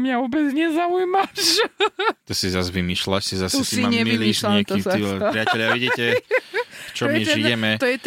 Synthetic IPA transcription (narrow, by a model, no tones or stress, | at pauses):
mɲaɔbɛd͡zɲɛzaujmaʃ | t̪ɔsizazʋimiːʃlaʃsizast̪usiaɲɛilmiʃlamt̪ɔiipɾɪacɛʎaʋiɟiːtɛ | ft͡ʃɔmɛiʒijɛmɛt̪ɔjɛt̪